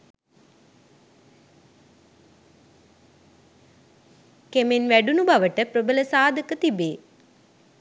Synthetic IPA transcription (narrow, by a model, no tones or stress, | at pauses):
kemenʋæɖunubaʋəʈəpɾobələsaːd̪ʱəkət̪ibeː